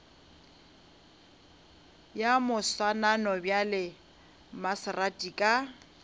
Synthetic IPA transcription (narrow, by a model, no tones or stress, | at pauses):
jamʊswananɔbjalɪ | masratʼikʼa